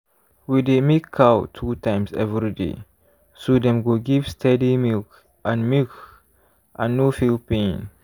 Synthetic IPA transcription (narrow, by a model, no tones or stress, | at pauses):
widemikʰːawtʰutãɪmsɛ̰vɹidḛ | sodɛ̃mɡoɡivstʰɛdimilk | ʔãnmik | ʔãnːofilpĩn